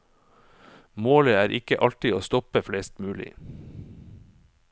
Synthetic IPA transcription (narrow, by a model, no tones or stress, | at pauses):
moːləæːɾʔɪkəʔɑlʈɪoːst̪ɔpəfleːst̪mʉːlɪ̰